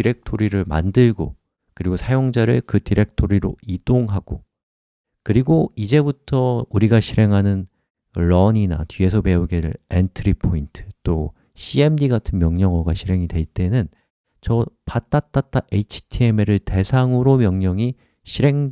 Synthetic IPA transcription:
tiɾe̞k̚tʰoɾiɾɯɭma̰ndɯɭɡo | kɯɾiɡosʰajoŋd͡ʑaɾɯɭkɯtiɾe̞k̚tʰoɾiɾoid̥oŋɦaɡ̥o | kɯɾiɡoid͡ʑe̞butʰʌuɾiɡaɕʰiɾe̞ŋɦanɯn | ɭʌɲina̰tɥie̞sʰʌpe̞uɡeɾɯentʰɾipʰointʰɯ̥t͈o | ɕʰie̞mdiɡatʰɯnmjʌŋɲʌŋʌɡaɕʰiɾe̞ŋidwe̞ɭt͈e̞nɯn | t͡ɕʌpat͈at͈at͈aʔe̞it͡ɕʰi̥tʰie̞meɾɯɭte̞sʰaŋɯɾomjʌŋɲʌŋi | ɕʰiɾe̞ŋ

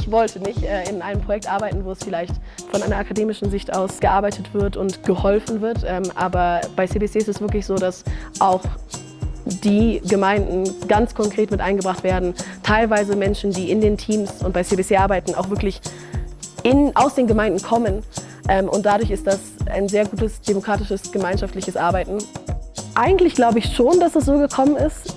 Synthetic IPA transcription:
ʔɪçv̥ɔltʰənɪçtʔɛːɪnʔaɪnəmpʁ̥ojɛk̚tʔaɐbaɪtn̩voːɛsfɪlaɪçt | fɔnʔaɪnɐakʰadeːmɪʃn̩zɪçtʔaʊsɡ̥əʔaɐbaɪtʰətv̥ɪɐtʊntɡ̥əhɔlfn̩vɪɐtʔɛːmʔaːbɐb̥aɪseːbeseːɪstɛsv̥ɪɐklɪçz̥oːdasʔaʊx | d̥iːɡəmaɪndn̩ɡ̥ant͡skʰɔŋkʁ̥eːtmɪtʔaɪnɡəbʁaχtv̥eːɐdn̩tʰaɪlvaɪzəmɛnʃn̩diːɪndeːntʰiːmsʊnt̚b̥aɪseːbet͡seːʔaɐbaɪtn̩a̰ʊxvɪɐklɪç | ɪnʔaʊsd̥eːnɡəmaɪ̃ndn̩kʰɔmən | ʔɛmʔʊ̰nt̚d̥adʊɐçɪst̚d̥asʔa̰ɪnzeːɐɡuːtəsd̥emokʁ̥aːtɪʃəsɡ̥əmaɪnʃaftlɪçəsʔaːɐbaɪtn̩ | ʔaɪɡŋ̩tlɪçɡ̥laʊbəɪçʃoːnd̥asasz̥oːɡəkʰɔmənɪst

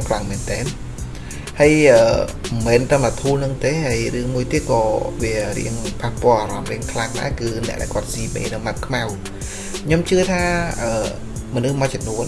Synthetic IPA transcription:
kʰlaŋmɛːnt̪ɛːn | həjʔəːmɛːnt̪əmat̪ʰuːlnɨŋt̪eːɦəjrɨəŋmuəjt̪iət̪̚kɑːʋiərḭəŋpʰahpŏəlʔaːɾɑmriəŋkʰlaŋɗa̰ɛkɨːnɛ̰̆əʔɗa̰ɛkŏət̪̚siːmḛːnɨŋmat̪̚kʰmaw | kʰɲomt͡ɕɨət̪ʰaːʔəː | monɨhmaət̚t͡ɕɔmnuən

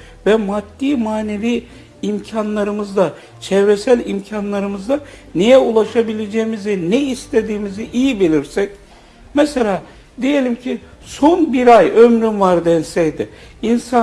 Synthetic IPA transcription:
vɛmad̪ːiːmaːneviː | imcʰanlˠaɾɯmɯzd̪a | t͡ʃʰɛvɾesælʲimcʰanlˠaɾɯmɯzd̪anejɛulˠaʃabilʲed͡ʒejimizinɛist̪ʰed̪iːmiziʔijibilʲiɾsɛc̚ | mɛselʲaː | d̪ije̞lʲimcʰi | sonbiɾajømɾymvaɾd̪ɛnsɛjd̪ɪinsa

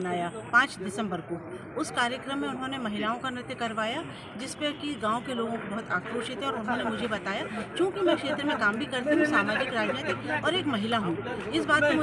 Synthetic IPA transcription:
naːjapãːt͡ʃd̪ɪsə̃mbəɾko | ʊskaːɾjəkɾəmːẽʊnɦõnemɐɦɪlaːõkanɪt̪jəkɐɾʋaːja | d͡ʒɪspekiɡãːõkeloːɡõkobɐɦʊt̪aːkɾoːʃɪt̪ɦɛɔːɾʊnɦõnemʊd͡ʒʱebɐt̪aːjakjõːkimɛ̃kʃeːt̪ɾəmẽkaːmbʱikɐɾt̪eɦũsaːmaːd͡ʒɪkɾaːd͡ʒnet̪ɪkɔːɾeːkmɐɦɪlaɦũː | ɪsbaːt̪̚keʊ

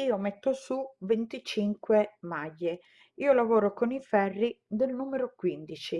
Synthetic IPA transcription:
iːomet̪ːosuvent̪it͡ʃiŋkwemajːe | iːolavɔːɾokonifɛrːid̪elnuːmeɾokwind̪it͡ʃi

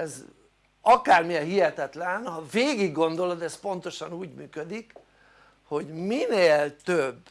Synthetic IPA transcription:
ɛz | ɒkaːrmiɛlɦiɦɛt̪ɛt̪lɛnhɒveːɡiɡːo̞nd̪o̞lo̞d̪ɛspo̞nt̪o̞ʃɒnuːɟmyːkød̪ik | ho̞ɟmineːlt̪øbː

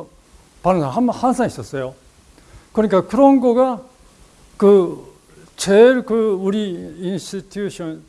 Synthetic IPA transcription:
panosaamhansãñɕi̥t̪osojo | kɯɲikakɯɾõŋɡoɡa | kɯ | t͡ɕʰeɾɯkɯɯɾiĩñst̪it̪ʰjuɕõn

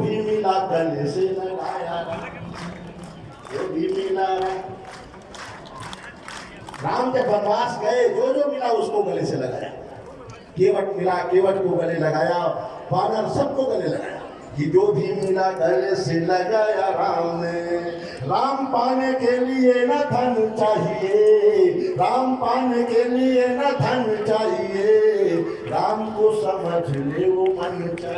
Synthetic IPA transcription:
bʱimilak̚ɡəleseləlajaɾa | ebʱimilaɾa | ɾamt̪ebənbasɡəed͡ʒod͡ʒomilauskoɡəleseləɡa̰ja̰ | keʋəʈkilakeʋəʈkoɡəleləɡajapanəmsəb̚koɡəleləɡa̰ja̰ | kid͡ʒod̪ʱimmɪlaɡɐleselɐɡaːjaɾaːmne | ɾaːmpaːnekelienɐt̪ʰanũt͡ʃaːɦie | ɾaːmpaːnekelienɐt̪ʰanũt͡ʃaːɦie | ɾaːmkosəməd͡ʒʱleʋomanːot͡ʃa

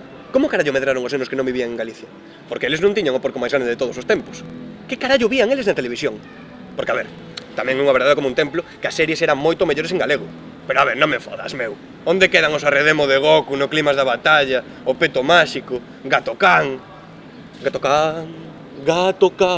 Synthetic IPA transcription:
komʊkaɾaʎʊmeðɾaɾoŋosnenʊskenõŋbiβiaŋeŋɡaliθjɐ | poɾkeelɪznõnt̪iɲaŋopoɾkomajzɣɾand̪eðet̪oðoʊsost̪empʊ̥skɪkaɾaʎʊβiaŋelɪznat̪eleβ̞isjoŋ | poɾkeaβeɾ | t̪amɛ̃ŋɛuŋɐβeɾðaðekomunt̪emplʊkɪasːɛɾjesɛɾaŋmojt̪omeʎoɾes̬eŋɡaleɣʊ | peɾoaβeɾnõŋmefɔ̰ða̰smew | ond̪ekeðaŋʊsareðemoðeɣokunʊklimazðaβat̪aʎɐ | ʊpet̪omaʃikʊ | ɡat̪okaŋ | ɡat̪okaŋ | ɡat̪oka

